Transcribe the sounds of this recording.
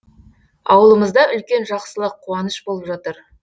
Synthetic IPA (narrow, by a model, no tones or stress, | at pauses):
ɑ̰wəlˠəməzd̪ɑʔʏlkʲe̞nʒɑqsəlˠəqʰːuɑnəʃbolˠəpʒɑt̪əɾ